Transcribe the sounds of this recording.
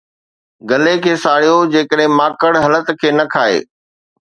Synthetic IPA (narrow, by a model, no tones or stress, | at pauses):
ɡɐlekʰeːsaːɽ̤ijod͡ʑeːkəɗɦɪ̃maːkəɽɦɐlət̪kʰeːnɐkʰaːḛː